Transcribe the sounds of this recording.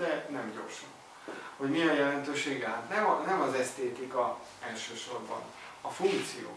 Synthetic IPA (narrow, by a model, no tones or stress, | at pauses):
ɛnɛmɟo̞̰rʃɒn | ho̞ɟmiɛjjɛlɛnt̪øːʃeːɡaːt̪nɛmɒnɛmɒzɛst̪eːt̪ikɒ | ɛlʃøːʃo̞rbɒ̰n | ɒfuŋkt̪sijo̰ː